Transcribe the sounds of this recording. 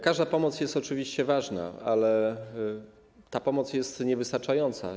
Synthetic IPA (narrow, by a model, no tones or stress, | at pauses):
kaʐd̪apɔmɔt̪sjɛst̪ɔt͡ʂɘvʲiɕt͡ɕɛvaʐna̰alɛ | t̪apɔmɔt̪sʲjɛst̪ɲɛvɘst̪aɾt͡ʂajɔnt̪sa̰